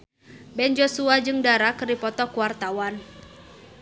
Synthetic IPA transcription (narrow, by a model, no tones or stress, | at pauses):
bɛnd͡ʒosuad͡ʒɨŋdaɾakərdipɔt̪ɔkuwart̪awan